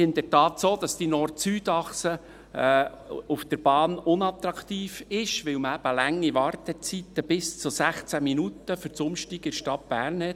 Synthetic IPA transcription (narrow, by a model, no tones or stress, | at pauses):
ɪnd̪əɾtɑːt̪soːd̥̪ɑst̪inɔɾtsyːd̪ɑχsə | ufd̥̪əɾb̥ɑːnʊnɑt̪ɾɑkt̪iːfɪʃʋɪwməæb̥əlæŋːiʋɑɾt̪ət͡sit̪ːəb̥ɪst͡sʊsæχt͡sæminut̪ːəfʏɾt͡sʊmʃtiɡɪɾʃtɑt̚b̥æːɾrnɛt